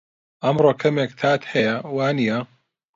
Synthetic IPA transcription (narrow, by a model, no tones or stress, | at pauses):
ʔɐmɾoːkʰɐmeːk̚t̪ʰaːt̪hɐjɐwaːnijɐ